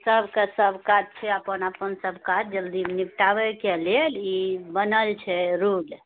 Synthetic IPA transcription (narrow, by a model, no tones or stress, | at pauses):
səbʱkesəbʱkat̪̚t͡ʃʰɛəpənəpənsəbʱkat̪̚d͡ʒəld̪inipʈaʋɛkelelibənəlt͡ʃʰɛɾul